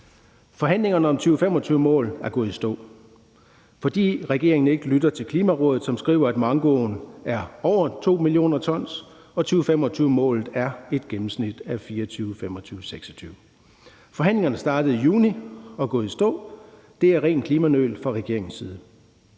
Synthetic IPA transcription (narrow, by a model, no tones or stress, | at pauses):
fɒ̽ɦæn̰le̝ŋɐnəɒ̽mt͡sʰyːʊfem̰ɒ̽t͡sʰyːʊəmɔ̰̽ːlæɐɡ̥ɔ̽ːð̩ˠisd̥ɔ̰̽ː | fɒ̽d̥ḭːʁɛɡ̥e̝̰ɐe̝ŋn̩e̝ɡ̥əlyd̥ɐt͡sʰe̝lkʰliːmæʁɔ̽ːðð̩ˠsɒ̽msɡ̥ʁḭːʊɐæd̥mɑ̈ŋɡ̥ɔ̰ːnæɐɒʊ̰ɐt͡sʰo̝̰ːmilio̝̰ːnɐt͡sʰɒ̽n̰s | ɒ̽t͡sʰyːʊfemɒ̽t͡sʰyːʊmɔ̰̽ːlð̩ˠæɐe̝d̥ɡ̥emm̩snid̥æfiːɐt͡sʰyːʊfem̰ɒ̽t͡sʰyːʊseɡ̥sɒ̥t͡sʰyːʊ | fɒ̽ɦæn̰le̝ŋɐnəsd̥ɑ̈ːd̥əð̞̩ˠijuːniɒ̽ɡ̥ɔ̽ːð̩ˠisd̥ɔ̰̽ː | d̥e̝æɐʁɛ̰ːnkʰliːmænø̰lfʁɑ̈ʁɛɡ̥e̝ɐe̝ŋn̩siːð̞̩ˠə